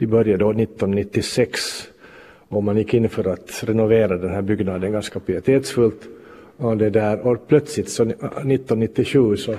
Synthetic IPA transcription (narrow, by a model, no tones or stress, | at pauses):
d̪̥ɪbœɾjad̪onɪt̪ːɔnnɪt̪ːɪsɛks | ɔmːanjɪkːɪnːfœɾat̪ɾɛnʊveːɾad̪ɛnɦæːɾbʏɡnɑd̪ənɡanskapʰɾɪɾɪt̪ʰeːt̪sfɵlt̪ | ɔd̪ɛd̪æːɾɔpʰlœt̪slɪt̪sɔnɪt̪ːɔnːɪt̪ːɪʂʉ̟ːsɔ